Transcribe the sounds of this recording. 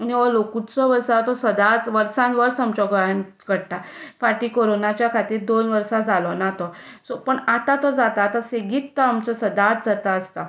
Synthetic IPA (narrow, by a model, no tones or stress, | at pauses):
aniʋɔlokut͡sɔʋəɾsat̪ɔsəd̪at͡sʋəɾsãnʋəɾsamt͡ɕɔɡəjan | kəɽʈ̪afaʈiːkoɾonat͡ɕjakʰat̪iːɾd̪onʋəɾsad͡zalɔnat̪ɔsɔpəɳat̪at̪ɔd͡zat̪aːt̪aseɡiːt̪t̪ːɔamt͡sɔsəd̪at̪̚d͡zat̪aəst̪a